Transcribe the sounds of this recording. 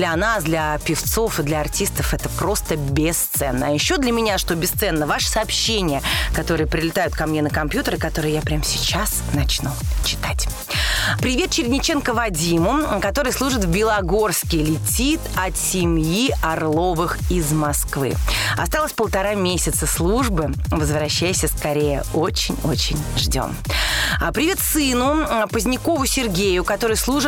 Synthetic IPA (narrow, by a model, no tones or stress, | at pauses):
lʲɐnasd̪lʲɐpʲɪft̪so̞fɨd̪lʲɐɐrtʲist̪əfɛt̪əpɾo̞st̪əbʲɪst̪sɛnːəːjɪɕːo̞d̪lʲəmʲɪnʲaʂt̪o̞bʲɪst̪sɛnːəvaʂə̥sɐːpɕːenʲɪjəkɐt̪o̞ɾɨjəpɾʲɪlʲɪt̪ajʊt̪̚kɐmnʲe̞nəkɐmpjut̪əɾɨkɐt̪o̞ɾɨjjapɾʲamsʲɪt͡ɕas | nɐt͡ɕnut͡ɕɪ̥t̪atʲ | pɾʲɪvʲe̞t̪̚t͡ɕɪɾʲnʲɪt͡ɕenkəvɐdʲimʊkɐt̪o̞ɾɨjslˠuʐɨt̪vbʲɪlˠɐɡo̞rskʲɪlʲɪtʲit̪ɐt̪sʲɪmʲjiɐrlˠo̞vɨxɪzmɐskvɨ̰ɐ̰st̪ɑlˠəsʲpəlˠt̪ɐɾamʲesʲɪt̪səslˠuʐbɨvəzvɾɐɕːæjɪsʲəskɐɾʲejə̰o̞t͡ɕɪnʲo̰t͡ɕɪ̰nʲʐdʲo̞̰məpɾʲɪvʲe̞t̪sɨnʊpəzʲnʲɪko̞vʊsʲɪrɡʲejʊkɐt̪o̞ɾɨjslˠuʐɨ